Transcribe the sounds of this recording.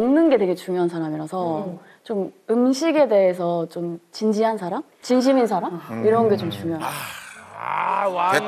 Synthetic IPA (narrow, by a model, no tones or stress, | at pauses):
nnɯnɡe̞te̞ɡe̞t͡ɕuŋjoɦans̬ʰaɾamiɾasʰʌ | t͡ɕomɯmɕʰiɡe̞de̞es̬ʰʌt͡ɕomt͡ɕind͡ʑiɦansʰaɾam | t͡ɕinɕ̬ʰimins̬ʰaɾamiɾʌnɡe̞t͡ɕomt͡ɕuŋjoɦaa